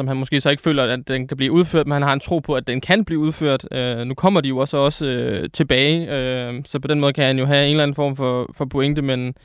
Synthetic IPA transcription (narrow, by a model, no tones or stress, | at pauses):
sɒ̽mɦænmɒ̽sɡ̥e̝̰ːsɒ̽e̝ɡ̥əfø̰ːlɐædenkʰæb̥liːuð̞ˠføɐ̰d̥menhænhɑ̈ent͡sʰʁo̝̰ːpʰɒ̽æd̥ːenkʰænb̥liːuð̞ˠføɐ̰d̥ønukʰɒ̽m̰ɐd̥ijo̝ɒ̽sɒ̽səøt͡sʰe̝b̥ɛːɪøsɒ̽pʰɒ̽denmɔ̽ːð̞ˠkʰæhænjo̝ɦæe̝ːn̩læn̩fɒ̰ːmfɒ̽fɒ̽pʰo̝eŋ̰d̥əmen